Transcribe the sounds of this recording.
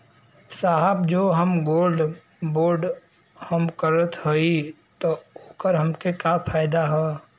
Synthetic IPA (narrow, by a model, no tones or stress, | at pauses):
saɦəbd͡ʒoːɦəmɡoːlɖ | boːɾɖ | həmkəɾət̪ɦoi | t̪ooːkəɾɦəmkekapʰaːɪd̪aɦɛː